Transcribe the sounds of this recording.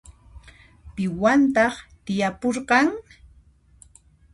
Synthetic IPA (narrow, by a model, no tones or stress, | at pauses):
pɪwant̪ɑχt̪ɪjapoɾɢɑŋ